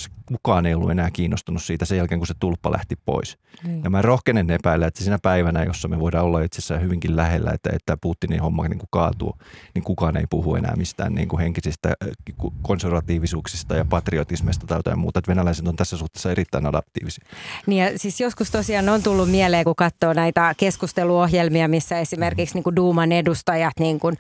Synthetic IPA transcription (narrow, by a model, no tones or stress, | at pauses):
skukɑːneijolːṵenæːkiːnːost̪unussiːt̪æsejælkeːŋkuset̪ulpːɑlʔæ̰ht̪ippo̰is | jɑmærohkenenːepæilːæet̪sesinæpæiʋænæjo̰sːɑmeʋoidɑːolːɑit̪sesːæːhyʋiŋkillæhelːæ̰ḛt̪ːæḛt̪ːæput̪ːinḭhomːɑ̰knḭːŋkukɑːt̪ṵːniŋkukɑːnḛipuhuḛnæ̰ːmist̪æ̰ːnnḭːŋkuheŋkisist̪æ̰kukonserʋɑt̪iːʋisuːksist̪ɑjɑpɑt̪riot̪ismest̪ɑt̪ɑjot̪ɑ̰jmmṵːt̪ɑet̪ʋenælæisent̪ont̪æsːæsuht̪e̥ːsːɑerit̪ːæinɑdɑ̰pt̪ḭːʋisi̥niːjɑsiːsjoskust̪osiɑːnont̪ulːummieleːkukɑt̪ːoːnæit̪ækeskust̪eluohjelmiɑmisːæesimerkiksniːŋkuduːmɑnedust̪ɑjɑt̪niːŋkun